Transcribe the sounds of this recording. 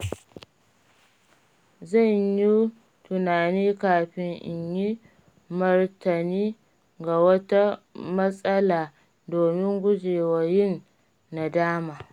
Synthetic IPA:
zɐ˦˨ɲji˦ | tʊ˨naː˨niː˦kaː˨ɸɪ˦ŋʔɪ̰˨ɲji˦ | mɐ˦rtɐ˨niː˦ | ɡa˨wɐ˦ta˦mɐ˦sʼɐ˦laː˨ | doː˨mɪ˦ŋɡʷʊ˦d͡ʒeː˨wa˨jɪ˦˨nː | a˨daː˦maː˨

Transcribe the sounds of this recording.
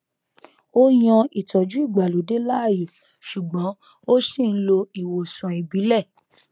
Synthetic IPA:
o˦j̃ɔ̃˧i˨tɔ˨d͡ʒu˨˦i˦˨ɡ͡ba˨lu˨˦de˦la˦a˦˨je˨ | ʃu˨ɡ͡bɔ̃˨˦ | o˦si˦˨n̩˦lo˧i˨wo˨sã˨i˨bi˨˦lɛ˦˨

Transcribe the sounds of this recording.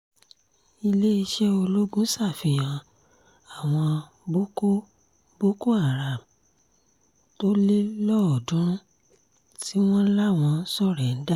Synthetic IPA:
i˧le˦i˧ʃɛ˦o˧lo˦ɡũ˦sa˦˨fĩ˧˨j̃ã˨ | a˨w̃ɔ̃˧ | bo˦ko˦ | bo˦ko˦a˦˨ɾa˨m | to˦li˦lɔ˦ɔ˨dũ˦ɾ̃ũ˦ | ti˦w̃ɔ̃˦la˦˨w̃ɔ̃˧˨n̩˦sɔ˦˨ɾɛ˨n̩˦da˦˨

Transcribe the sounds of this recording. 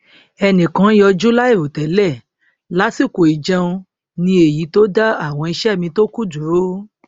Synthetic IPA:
ɛ˧nĩ˨kã˨˦jɔ˧d͡ʒu˦la˦i˦˨ɾo˨tɛ˨˦lɛ˦˨ | la˦si˦˨ko˨i˨d͡ʒã˧ũ˧ | nĩ˧e˨ji˨˦to˦da˦a˦˨w̃ɔ̃˧i˧ʃɛ˦˨mĩ˧to˦ku˦d͡ʒu˨ɾo˦

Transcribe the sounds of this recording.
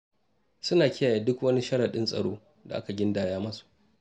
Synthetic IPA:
sʊ˦naː˨kʲɪ˦jaː˨jaː˨dʊ˦kwɐ˦ni˦ʃɐ˦ɽa˨ɗɪ˦nsʼɐ̰˨ɽo̰ː˦ | da˨ʔa˦ka˨ɡʲɪ˦ndaː˦jaː˦mɐ˦su̥˨ʔ

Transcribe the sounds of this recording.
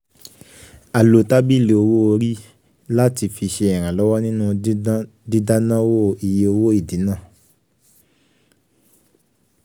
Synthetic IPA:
a˨lo˨ta˦bi˦˨le˨o˧wo˦o˧ɾi˦ | la˦ti˧fi˧ʃe˧ɛ˨ɾ̃ã˨lɔ˨˦wa˦nĩ˦nũ˦ | di˦da˦nã˦wo˦˨i˨je˧o˧wo˦i˦˨di˨˦nã˦˨

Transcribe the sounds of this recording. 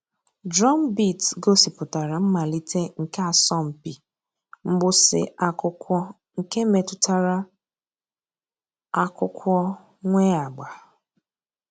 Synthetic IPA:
dɾɔ˦m˦bi˦˨tɡo˦si˨pʊ˨ta˨ɾa˨m̩˦ma˨li˦tʰe˦ŋ̩˨ka˨sɔ˦m̩˨pi˨ | m̩˦ɡ͡bʊ˦sɪ̰˨a˨kʊ˦kʷɔ˦ | ŋ̩˨ke˦me˨tʊ˨ta˨ɾa˦ | a˦kʊ˦kʷɔ˦ | ŋʷe˦a˨ɡ͡ba˨

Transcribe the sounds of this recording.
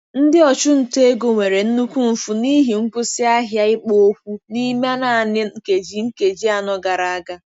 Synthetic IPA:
n̩˦dɪ˦ɔ˨t͡ʃʊ˦n̩˨te˦ɡo˨ŋʷe˨ɾe˨n̩˦nu˦kʷu˦m̩˨fu˨ni˦ɦi˨ŋ̩˦kʷʊ˦sɪ˦a˦ɦja˦ɪ˦k͡po˦o˦kʷu˦ni˦ma˦na˨a˨nɪ˦ŋ̩˦ke˨d͡ʒi˦ŋ̩˦ke˨d͡ʒi˦a˨nɔ˦ɡa˨ɾa˨a˦˨ɡa˦

